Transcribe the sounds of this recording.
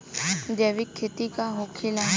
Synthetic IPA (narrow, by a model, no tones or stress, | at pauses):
d͡ʒ̪eːʋɪkʰːet̪ikaɦokʰila